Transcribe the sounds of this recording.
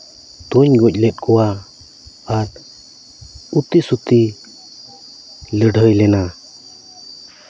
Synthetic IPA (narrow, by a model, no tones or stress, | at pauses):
t̪uɲɡɔc̚ˀlɛt̪̚kʰɔwaː | ɾ | ut̪isut̪i | ləɖʱəjlɛna